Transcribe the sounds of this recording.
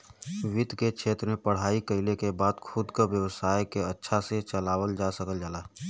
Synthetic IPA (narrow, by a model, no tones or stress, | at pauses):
ʋɪd̪ʱkekt͡ʃʰeːt̪ɾəmẽpəɽ̤aːikəɪlekebaːd̪kʰʊd̪ʱkəʋjəwəsaːjkeətːʃʰaset͡ʃəlaːwəld͡ʒasəkəld͡ʒaːlaː